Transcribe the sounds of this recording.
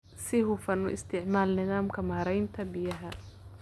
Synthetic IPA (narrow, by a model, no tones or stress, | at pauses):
sɪɦʊfɐnʊ̰ʔɪst̪ʰɪʕmaːlnɪðaːmkʰɐmaːɾɛjnt̪ʰɐbɪjɐɦɐ